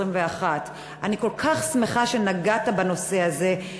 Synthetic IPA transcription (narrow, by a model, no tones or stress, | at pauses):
imveaχat | aniko̞lkʰaχsmeχaʃe̞naɡatabano̞se̞aze̞